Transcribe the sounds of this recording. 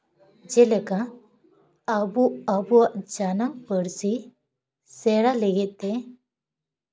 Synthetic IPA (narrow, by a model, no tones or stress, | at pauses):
d͡ʒɛlɛka | buabuaʔd͡ʒanaŋpəɽsi | sɛɽalɛɡɛʔ̪̚ˀt̪ɛ